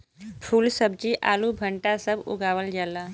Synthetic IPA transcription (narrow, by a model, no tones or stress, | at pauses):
pʰuːlsəb̚t͡ʃiʔa̰ːlubʱəɳʈasəbṵɡaːʋəld͡ʒala